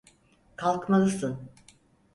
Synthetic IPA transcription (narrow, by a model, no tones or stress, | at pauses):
kʰalˠkmalˠɯsɯn